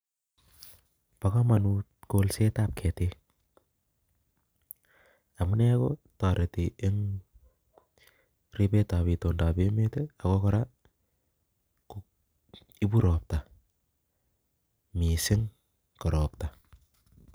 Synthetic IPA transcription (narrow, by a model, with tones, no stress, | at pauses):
pa˨kamanutkolse˦tap̚kʰɛ˨te | a˨mu˦nɛ˦kɔta˨ɾetiɪ˦ŋ | ri˦pe˦taβi˨to˨nda˨be˦me˦teakɔkɔɾa | k | i˦bu˦ɾɔ˨p̚ta | mi˨sɪ˦ŋ | kɔ˨ɾɔpta